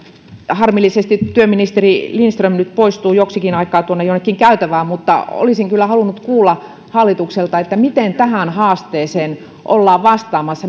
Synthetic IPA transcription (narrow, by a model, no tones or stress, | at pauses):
hɑrmilːisest̪ittyøminist̪erilinst̪rømnyt̪poist̪uːjoksikinɑikˑɑːt̪uonːejonːekːiŋkæyt̪æʋæːmut̪ːɑ̰o̰lisiŋkylːæhɑlunːut̪kuːlːɑ | hɑlːit̪ukselt̪ɑet̪ːæmit̪ent̪æhænhɑːst̪eːseːn | ʔolːɑːʋʋɑst̪ɑːmɑsːɑ